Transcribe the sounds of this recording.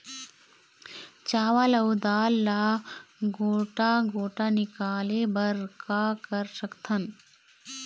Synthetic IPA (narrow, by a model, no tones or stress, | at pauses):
t͡ʃaːʋalɐwd̪aːlːa | ɡoːʈaɡoːʈanɪkaːlebɐɾkakɐɾsɐkt̪ʰɐn